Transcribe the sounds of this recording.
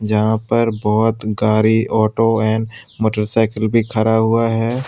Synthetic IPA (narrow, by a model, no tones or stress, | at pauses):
d͡ʒɐɦãpɐɾbɔːt̪ɡaːɾiɔːʈoɛ̃ːnmoːʈəɾsaːɪkəlbʱikʰɐɾaɦʊaɦɛː